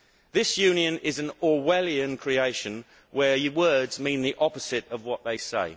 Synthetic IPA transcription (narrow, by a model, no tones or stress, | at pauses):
ðɪsjʉ̃ːnjə̃nɪzə̃nɔwɛliə̃nkʰɹ̥ieɪʃə̃n | wəwɜːdzmĩːnðiʔɒpəz̥ɪtəvwɒʔðeɪseɪ